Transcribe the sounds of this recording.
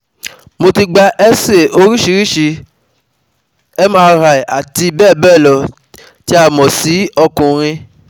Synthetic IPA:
mo˧ti˧ɡ͡ba˧ʔɛ˦se˦˨o˧ɾi˦ʃi˧ɾi˦ʃi˧ | ɛ˦mãː˦˧ɾa˨i˨a˨ti˧bɛː˦˨bɛː˦˨lɔ˨ | ti˦a˧mɔ̃˨si˨˦ɔ˧kũ˨ɾ̃ĩ˧

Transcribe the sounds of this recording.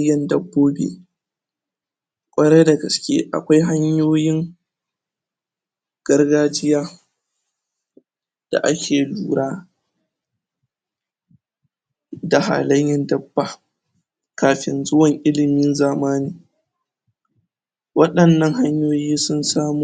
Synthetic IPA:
jɐ˨ndɐ˦bːoː˦bḛː˨ | kʷʼɐ˦ɽeː˦da˨ɡɐ˨skʲḛː˦ʔa̰˨kʷa˦jɦa˦ɲjoː˦jɪ˦ŋ | ɡ̥ɐ˦rɡaː˦d͡ʒɪ˦jaː˦ | d̥a̰˨ʔa˦kʲʰeː˨luː˦˨ɾaː˦ | da˨ha̰ː˨lɐ˦jjɛ˨ndɐ˦bːa˨ | kaː˨ɸɪ̰˨nzʊ˦wɐ˨ŋʔɪ˦lɪ˨mɪ˦nzaː˨maː˦niː˨ | wɐ˦ɗɐ˨nːɐ˦ŋɦa˦ɲjoː˦jiː˦sʊ˦nsaː˦mu˦

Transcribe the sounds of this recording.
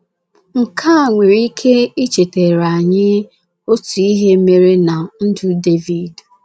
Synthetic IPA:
ŋ̩˨kʰa˦a˨ŋʷe˨ɾi˦kʰe˦i˦t͡ʃe˨te˨ɾa˨ɲɪ˦ | o˦tu˨i˦ɦe˦me˦ɾe˦na˨n̩˦dʊ˦de˦vi˨d

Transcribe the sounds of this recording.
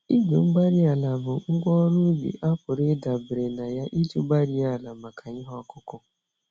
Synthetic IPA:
i˦ɲʊ˨ŋ͡m̩˦ɡ͡ba˦ɾi˦a˨la˨bʊ˨ŋ̩˦ɡʷɔ˦ɾu˦jḭ˨ʔa˦pʊ˨ɾɪ˦da˨bɪ˨ɾe˨na˨ja˦ʔi˦d͡ʒu˦ɡ͡ba˦ɾi˦a˦˨la˨ma˨kʰa˨ɲɪ˦ɦɔ˦˨kʊ˦kʊ˦

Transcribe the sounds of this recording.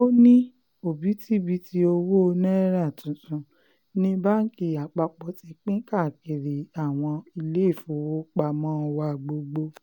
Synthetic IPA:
o˦nĩ˦ | o˨bi˨˦ti˦bi˦ti˦o˧wo˦o˧nɛ̃˦ɾa˦˨tũ˨tũ˧ | nĩ˦ba˦n̩˦ki˧˨a˨k͡pa˧k͡pɔ˧˦ti˧k͡pĩ˦ka˦˨ki˨ɾi˨a˨w̃ɔ̃˧i˧le˦i˦˨fu˨˦wo˦k͡pa˧mɔ̃˦˧wa˧˨ɡ͡bo˧ɡ͡bo˧

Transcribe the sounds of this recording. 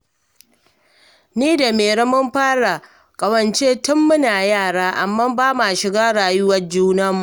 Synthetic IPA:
niː˦da˨meː˨ɾɐ˦mʊ˦mɸaː˦ɽa˨ | kʼɐ˨wɐ˨nt͡ʃeː˦tʊ˦mːʊ˦naː˨jaː˦˨ɽaː˦ʔa˨mːaː˦mbaː˦ma˨ʃɪ˨ɡaː˦ɽaː˨jʊ˦wɐ˦rd͡ʒuː˦nɐ˦mu˨ʔ

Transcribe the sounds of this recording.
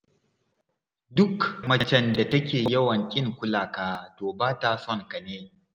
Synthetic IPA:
dʊ˦kmɐ˦t͡ʃɛ˦˨nda˨tɐ˦kʲeː˨jɐ˦wɐ˨ŋkʲʼɪ˦ŋkʷʊ˦laː˨kaː˦toː˨baː˦ta˨sɔ˦˨ŋka˨neː˦

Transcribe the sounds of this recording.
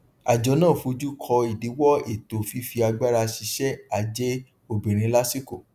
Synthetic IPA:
a˨d͡ʒɔ˨˦nãː˦˨fo˧d͡ʒu˦kʰɔ˧i˨di˨˦wɔ˦e˦˨to˨fi˨˦fi˧a˧ɡ͡ba˦ɾa˧ʃi˧ʃɛ˦a˨˧d͡ʒe˦ | o˧bĩ˨ɾ̃ĩ˨˧˦la˦si˦ko˦˨

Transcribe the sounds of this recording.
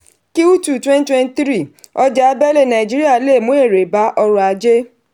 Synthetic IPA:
ki˦u˦tu˦˨twɛ̃˦n˦twɛ̃˦ntɾi˦˨ɔ˧d͡ʒa˦bɛ˦le˦˨nã˨i˨d͡ʒi˦ɾi˦a˦˨le˦˨mũ˦e˦˨ɾe˨ba˨˦ʔɔ˧ɾɔ̃˧a˧d͡ʒe˦

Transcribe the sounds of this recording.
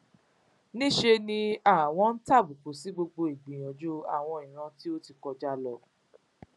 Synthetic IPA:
nĩ˦ʃe˧nĩ˧a˦˨w̃ɔ̃˧˦n̩˦ta˦˨bu˨k͡po˨si˨˦ɡ͡bo˧ɡ͡bo˧i˨ɡ͡bĩ˨j̃ɔ̃˨d͡ʒu˦a̰˦˨w̃ɔ̃˧i˨ɾ̃ã˧ti˦o˦ti˧˨kɔ˧d͡ʒa˦lɔ˧

